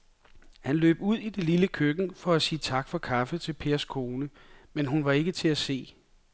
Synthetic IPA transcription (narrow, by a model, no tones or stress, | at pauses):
hænlø̰ːb̥uð̞̰ˠid̥e̝liləkʰøɡ̥n̩fɒ̽æsiːt͡sʰɑ̈ɡ̥fɒ̽kʰɑ̈fət͡sʰe̝lpʰe̝ːɐskʰo̝ːnəmenɦunʋɑ̈e̝ɡ̥ət͡sʰe̝æse̝̰ː